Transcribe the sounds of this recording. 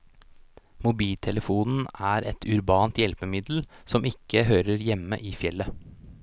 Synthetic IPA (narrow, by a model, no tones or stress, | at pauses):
mʊbiːlt̪ʰɛləfuːnn̩æːɾʔɛt̪ʰʉɾbɑːnt̪jɛlpəmɪd̪l̩sɔmɪkʰːəɦøːɾəɾjɛmə̰ʔiːfjɛlːə